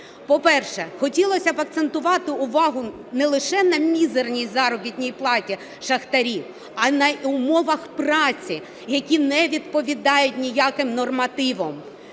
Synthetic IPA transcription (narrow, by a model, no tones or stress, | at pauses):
pɔpɛrʃɛxɔtʲilˠɔsʲɐbɐkt̪se̞nt̪ʊʋɑt̪ɪʊʋɑɦʊ | nɛlˠɪʃɛnɐmʲizernʲijzɑɾɔbʲit̪ʲnʲijplˠɑtʲi | ʃɐxt̪ɐɾʲiw | ɐnɐʊmɔʋɐxprɑt͡sʲi | jɐkʲinɛʋʲid̪pɔʋʲid̪ɑjʊtʲnʲijakɪmnɔrmɐt̪ɪʋɔm